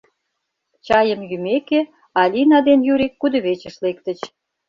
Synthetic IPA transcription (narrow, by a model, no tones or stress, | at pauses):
t͡ɕɑjə̆mjymeke | ɑlʲinɑd̪enjuɾikːud̪ə̆βet͡ɕə̆ʃlekt̪ə̆t͡ɕ